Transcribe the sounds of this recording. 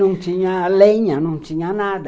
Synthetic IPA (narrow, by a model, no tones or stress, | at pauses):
ũŋt͡ʃiɲãleɲãnũŋt͡ʃiɲãnãd